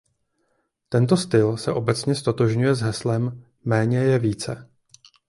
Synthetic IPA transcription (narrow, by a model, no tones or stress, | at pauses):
t̪ɛnt̪o̞st̪ɪlsɛʔo̞bɛt͡sɲɛst̪o̞t̪o̞ʒɲujɛzɦɛslɛmː | ɛːɲɛjɛviːt͡sɛ